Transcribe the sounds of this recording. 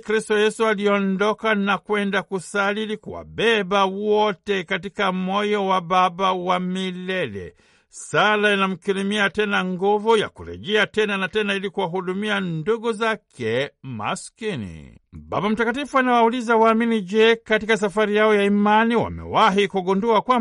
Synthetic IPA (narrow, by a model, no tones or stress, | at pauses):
kɾistɔjɛsualiɔndɔkanakwɛndakusalilikuwa̰bɛbawɔtɛkatikamɔjɔwababawamilɛlɛ̰ | salainam̩kiɾimiatɛnaŋɡuvuja̰kuɾɛ̰ʄɛatɛnanatɛnailikuwaɦuɗumianduɡuzakʰɛma̰skinḭ | ba̰bam̩takatifuanawaulizawaːminid͡ʒɛkatikas̬afaɾijaɔjaimaniwa̰mɛ̰waɦikuɡunduakwa